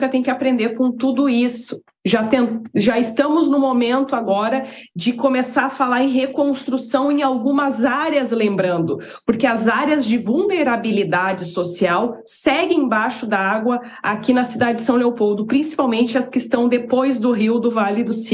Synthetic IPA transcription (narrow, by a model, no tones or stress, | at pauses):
kɐt̪ẽj̃kɪapɾẽnd̪eɾkõt̪ud̪ʊisʊ̥ | ʒat̪ẽʒaɪst̪ɐ̃mʊznʊmomẽnt̪ʊaɡɔɾɐd͡ʒɪkomesaɾɐfalaɾẽj̃ɦekõst̪ɾusɐ̃w̃ẽj̃awɡũmɐzaɾjɐzlẽmbɾɐ̃nd̪ʊ | poɾkeɐzaɾjɐzd͡ʒɪvuwneɾabilid̪ad͡ʒɪsosiaw | sɛɡɪ̃ẽbajʃʊd̪ɐaɡwɐ | akʲinɐsid̪ad͡ʒɪd͡ʒɪsɐ̃w̃leowpowd̪ʊpɾĩsi̥pawmẽnt͡ʃɪɐskɪst̪ɐ̃w̃d̪epojzd̪ʊɦiwd̪ʊvalʊɪd̪ʊsi